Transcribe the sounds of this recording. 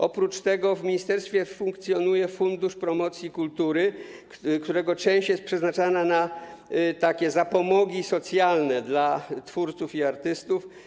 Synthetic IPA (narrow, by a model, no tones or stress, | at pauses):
ʔɔpɾut͡ʂt̪ɛɡɔvmʲiɲist̪ɛɾst̪fʲjɛfuŋkt̪sʲjɔnujɛfund̪uʂpɾɔmɔt̪sʲjikult̪uɾɘ | kt̪uɾɛɡɔt͡ʂɛ̃w̃ɕt͡ɕjɛst̪pʂɛznat͡ʂanana | t̪akʲɛzapɔmɔɡʲisɔt̪sʲjalnɛd̪lat̪fuɾt̪sufiaɾt̪ɘst̪uf